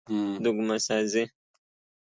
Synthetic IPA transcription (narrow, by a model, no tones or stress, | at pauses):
d̪uɡumasaze